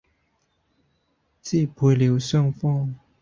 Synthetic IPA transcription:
t͡ɕi˥˨pʰwe˨˥˦ljo˨˧˦ɕɔ˥˩ŋfɔ˥˨ŋ

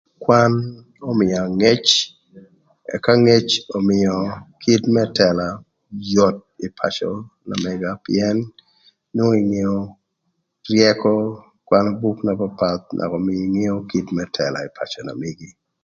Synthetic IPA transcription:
kwa˦n | ɔ˦mɪ˨a˨ŋe˦t͡ʃ | ɛ˨ka˦ŋe˦t͡ʃɔ˨mɪɔ˨kʰi˦tmɛ˦tɛla˨ | jɔ˨t̚i˨pʰa̰˨t͡ʃɔ̰˨na̰˨mɛɡapɪ̰ɛ˦nː | wo˦i˨ŋe˦o˦ | rjɛkɔ˦ | kwa˦nɔ˦bu˦kna˨papat̪̚nʔa̰˨kɔ˨mi˦iŋe˦o˦ki˦tmɛ˦tʰɛ̰la̰˨i˨pʰa̰˨t͡ʃɔ˨na̰˨mi˨ɡi˦

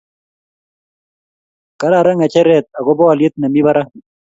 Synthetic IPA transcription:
ka˦ɾa˦˨ɾɛ˦ŋa˨t͡ʃɛ˦ɾɛ˨t̪̚a˨ɡɔ˦bɔ˦a˨lje˦t̪̚na˨mi˦ba˦ɾa˦

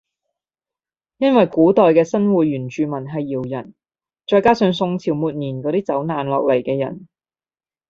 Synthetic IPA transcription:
jɐ˥nwɐ˨jkuː˨˥t̪ɔː˨jkɛː˧sɐ˥nwuː˨ɥyː˨˩nt͡ʃyː˨mɐ˨˩nɦɐ˨jːiː˨˩wjɐ˨˩n | t͡ʃɔː˧jkaː˥sœː˨˧ŋsʊ˧ŋt͡sʰiː˨˩wmuː˨˧t̚niː˨˩nkɔː˨˧t̪iː˥t͡sɐ˨˥wnaː˨nlɔ̰ː˨k̚lɐ˨˩jkɛː˧jɐ̰˨˩n

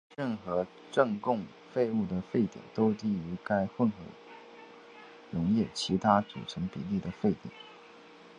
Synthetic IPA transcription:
ɻə˥˩nxɤ˧˥ | ʈ͡ʂɤ˥˧ŋkʊ˥˧ŋ | fe˥˧ɪu˥˩d̪ə˩fe˥˩ɪt̪jɛ̰˨˩nt̪o˥ʊt̪i˥˩y˧˥ka˥ɪxwə˥˩nxɤ̰˧˥ | ɻʊ˧˥ŋjɛ˥˩t͡ɕʰi˧˥t̪ʰa˥t͡sṵ˨˩ʈ͡ʂʰɤ˧˥ŋpḭ˨˩li˥˩d̪ə˩fe˥˩ɪt̪jɛ̰˨˩˦n

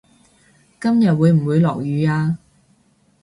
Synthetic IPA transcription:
kɐ˥mjɐ˨t̚wuː˨˧jm̩˨˩wuː˨˧jlɔ̰ː˨˩k̚jyː˨˧aː˧

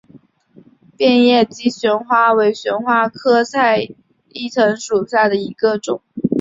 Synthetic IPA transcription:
pjɛ˥˧njɛ˥˩t͡ɕi˧˥ɕɥɛ˧˥nxwa˥we˧˥ɪɕɥɛ˧˥nxwa˥kʰɤ˥sʰa˥˧ɪ | i˥˩t͡sʰɤ˧˥ŋʂu˨˩ɕja˥˩d̪ə˩i˧˥ɡə˧ʈ͡ʂʊ˨˩˦ŋ

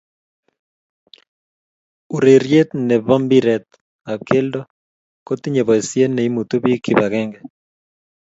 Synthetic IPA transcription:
u˨ɾe˨ɾje˦t̪nɛ˨βɔ˦mbi˦ɾɛ˨t̪̚ | a˨kʰe˦ldɔ˦ | ko˦t̪i˦ɲe˨βɔ˨e˨sje˦nɛ˨i˦mu˨t̪o˦bi˦kʰɪ˦ba˨ɣɛ˦ŋɡɛ˨

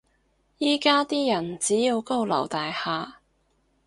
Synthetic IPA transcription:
jiː˥kaː˥t̪iː˥jɐ˨˩nt͡siː˨˥jiː˧wko˥wlɐ̰˨˩wt̪aː˨jhaː˨

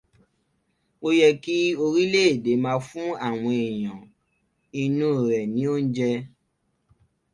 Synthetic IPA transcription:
o˦jɛ˧ki˦o˧ɾi˦le˦e˦˨de˨˦mãː˧fũ˦a˦˨w̃ɔ̃˧e˨j̃ã˨ | i˧nũ˦˨ɾɛ˨nĩ˨˦o˦n̩˦d͡ʒɛ˧

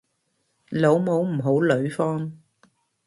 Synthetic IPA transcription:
lo˨˧˥wmo˨˥wm̩˨˩ɦo˨˥wlɵ˨˧ɥfɔː˥n

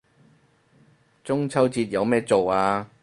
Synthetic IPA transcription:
t͡sʊ˥ŋt͡sʰɐ˥wt͡siː˧t̚jɐ˨˧wmɛː˥t͡so˨waː˧

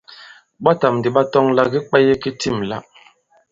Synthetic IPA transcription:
ɓa˦ta˨m˨di˨ɓa˦tɔ˦ŋla˦ɡi˦k͡pɛ˦je˦ki˦ti˦˨mla̰˦ʔ

